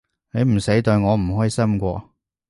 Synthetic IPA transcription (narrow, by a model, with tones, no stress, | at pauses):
ne˨˧jm̩˨˩se˨˥jt̪ɵ˧ɥŋɔː˨˧m̩˨˩ɦɔː˨˥ji˨˧sɐ˥mkʷɔː˧